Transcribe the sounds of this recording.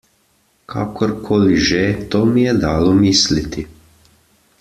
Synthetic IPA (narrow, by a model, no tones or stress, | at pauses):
kʰa̰ːkʰɔɾkʰoːliʒet̪oːmijɛd̪aːlɔmiːslit̪i